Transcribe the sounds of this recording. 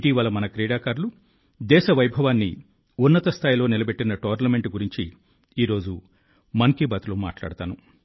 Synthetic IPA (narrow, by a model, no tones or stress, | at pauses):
ʈiːʋɐlːɐmɐnɐkɾiːɽaːkaːɾlu | d̪ɛːʃɐʋɐjbʱɐʋaːnːḭ | unːɐt̪ɐst̪ʰaːjilo̞ːnilɐbeʈːinɐʈoːɾnɐme̞ɳʈɡuɾiɲt͡ʃi | iːɾo̞ːd͡ʒu | mɐŋkibɐt̪uluma̰ːʈla̰ːɽt̪aːnu